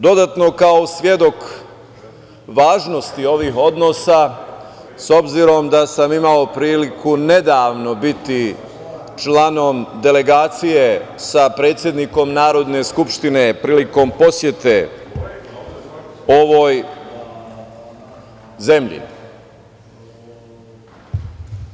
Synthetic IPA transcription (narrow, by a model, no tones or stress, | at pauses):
d̪o̞d̪aːt̪no̞kao̞sʋje̞d̪o̞k | ʋaːʒno̞st̪io̞ʋiːɦo̞d̪no̞sa | so̞bziɾo̞md̪asamimao̞pɾiːlikʰune̞d̪aːʋno̞bit̪i | t͡ʃlano̞md̪e̞le̞ɡaːt̪sije̞ | sapɾe̞ːt̪sje̞d̪niko̞mnaːɾo̞d̪ne̞skupʃt̪ine̞pɾiːliko̞mpo̞sje̞t̪e̞ | o̞ʋo̞j | ze̞mʎḭ